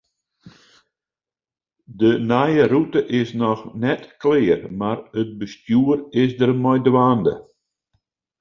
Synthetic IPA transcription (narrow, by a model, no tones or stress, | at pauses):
dənajərutəʔɪsnɔxnɛtklɪːərmarət̚bəstjuərɪsdərmɔjdwaːndə̰